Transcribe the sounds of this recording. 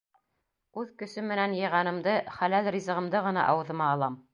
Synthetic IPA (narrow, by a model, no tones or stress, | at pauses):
ʉðkɵ̆sɵmːɘ̆nænjɤ̆jʁɑnɤ̆md̪ɤχælælrʲizɤ̆ʁɤ̆md̪ɤʁɤ̆nɑ̰ʔɑwɤ̆ðɤ̆mɑːlˠɑm